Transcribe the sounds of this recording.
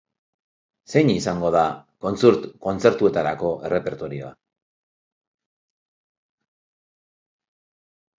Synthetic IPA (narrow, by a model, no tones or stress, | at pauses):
se̞jɲisaŋɡo̞ð̞ako̞nt͡suɾt̪ko̞nt͡se̞ɾt̪ue̞t̪aɾako̞ʔe̞rʔe̞pe̞ɾt̪o̞ɾio̞̰a̰